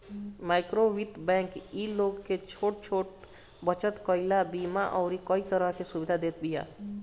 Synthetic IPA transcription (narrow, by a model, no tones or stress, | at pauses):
maɪkɾoʋit̪bɛ̃ŋkiloɡket͡ʃʰoʈ̚t͡ʃʰoʈ | bət͡ʃət̪kəilabimaʔɔʊɾikəit̪əɾəɦkesubid̪ʱad̪et̪bija̰